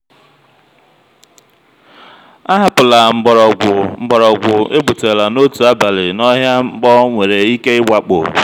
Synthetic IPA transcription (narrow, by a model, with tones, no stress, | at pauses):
a˦ɦa˨pʊ˨la˨ŋ͡m̩˨m̩˨ɡ͡bɔ˨ɾɔ˨ɡʷʊ˨e˦bu˨te˨la˨no˦tu˨a˦ba˨lɪ˨nɔ˦ɦja˦ŋ͡m̩˦ɡ͡bɔ˦ŋʷe˨ɾe˨i˦ke˦ɪ˦wa˨k͡po̰˨